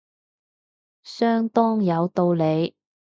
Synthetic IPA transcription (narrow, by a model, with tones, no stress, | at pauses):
sœː˥ŋt̪ɔː˥ŋjɐ˨˧wt̪o˧wle˨˧j